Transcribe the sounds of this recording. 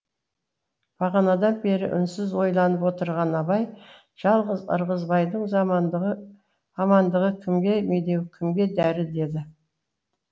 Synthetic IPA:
b̥ʰɑʁɑnɑd̪ɑnbe̞ɾɪ̰ʔʏ̰nsɪzwo̞jlˠɑnəpwo̞t̪əɾʁɑnɑbɑj | ʒ̥ɑlˠʁəzə̰ɾʁəzbɑjd̪əɴ | ɑmɑnd̪əʁəkʲʰɪmɡʲe̞me̞d̪e̞wkʲʰɪmɡʲe̞d̪æɾɪd̪e̞d̪ɪ

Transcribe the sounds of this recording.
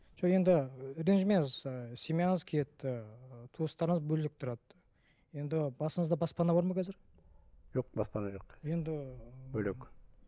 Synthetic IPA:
ʒ̥oje̞nd̪ɪɾenʒmezsʲemʲijɑnəzkʲʰet̪ːɪt̪ʰuəst̪ɑɾəɴəzbɵllɪk̚t̪ʰʊɾɑd̪ | je̞nd̪ɪbɑsəɴəzd̪ɑbɑspɑnɑbɑɾmɑkʲʰæzɪɾ | ʒ̥o̞q̚bɑspɑnɑʒoqje̞nd̪ɪbɵlek

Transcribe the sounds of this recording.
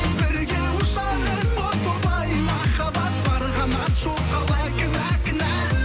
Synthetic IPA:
bɪɾɡʲeʊʃɑ | əɾbot̪ob̪ˠɑjmɑχɑbɑt̪̚bɑɾʁɑnɑt̪ʃoqɑlˠɑkʲɪnækʲɪnæ

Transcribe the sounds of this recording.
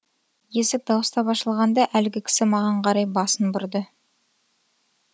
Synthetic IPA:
je̞sɪk̚d̪ɑwəst̪ɑpɑʃəlˠʁɑnd̪ɑʔælɡʲɪkʲʰɪ̥sɪmɑʁɑɴqʰɑɾɑjbɑsənbʊɾd̪ə

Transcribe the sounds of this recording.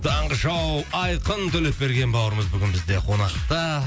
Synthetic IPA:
t̪ʰɑɴʁəʒɑwɑjqənt̪ʰɵle̞p̚be̞ɾɡʲe̞nbɑwəɾəməzbʏɡʲɪnbɪzd̪e̞qʰo̞nɑqt̪ɑ

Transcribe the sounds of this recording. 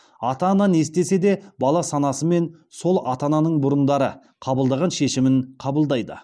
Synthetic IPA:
ɑt̪ɑnɑne̞st̪e̞se̞d̪e̞bɑlˠɑsɑnɑsəme̞n | so̞lˠɑt̪ɑnɑnəɴbʊɾənd̪ɑɾə | qʰɑbəlˠd̪ɑʁɑnʃe̞ʃɪmɪɴqʰɑbəlˠd̪ɑjd̪ə̰

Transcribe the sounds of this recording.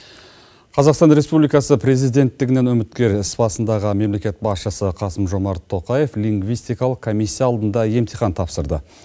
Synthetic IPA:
qʰɑzɑqst̪ɑnɾe̞spublijkɑsəpɾe̞zijd̪e̞nt̪ːɪɡʲɪne̞nɵmɪt̪kʲe̞ɾɪsbɑsənd̪ɑʁəme̞mle̞kʲe̞t̪̚bɑsʃəsəqʰɑsəmʒo̞mɑɾt̪ʰːo̞qɑje̞fliŋɡvijst̪ijkɑlˠəqkʰomijsʲːijɑːlˠd̪ənd̪ɑje̞mt̪ʰijχɑnt̪ʰɑpsəɾd̪ə̰

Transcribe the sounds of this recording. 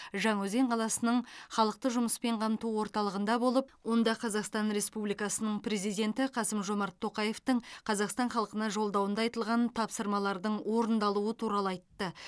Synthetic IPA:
ʒɑɴɵze̞ɴqʰɑlˠɑsənəɴχɑlˠəq̚t̪əʒʊməspe̞ɴqʰɑmt̪uwo̞ɾt̪ɑlˠəʁənd̪ɑbo̞lˠəp̚wo̞nd̪ɑqʰɑzɑqst̪ɑnɾe̞spublijkɑsənəɴpɾe̞zijd̪ʲe̞nt̪ɪqʰɑsəmʒo̞mɑɾt̪ʰːo̞qɑje̞ft̪əɴqʰɑzɑqst̪ɑɴχɑlˠəqənɑʒo̞lˠd̪ɑwənd̪ɑjt̪əlˠʁɑnt̪ʰɑpsəɾmɑlˠɑɾd̪əɴwo̞ɾənd̪ɑlˠuət̪ʰuɾɑlˠəɑjt̪ːə

